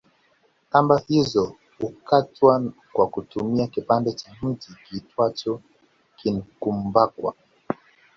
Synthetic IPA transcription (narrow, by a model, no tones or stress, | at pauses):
kambahizɔ | hukatwa | kwakutumiakipandɛt͡ʃam̩tikitwat͡ʃɔ | kinkumbakwa̰